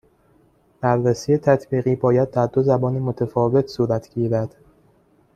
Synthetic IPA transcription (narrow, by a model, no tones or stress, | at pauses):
b̥æɾːesiːjet̪ʰæt̪ʰbiːɣiːbɒːjæd̪̚ːæɾd̪ozæbɒːnimo̞t̪ʰæfɒːve̞t̪ʰsuːɾæt̪ʰɟ̥iːɾæd̪̥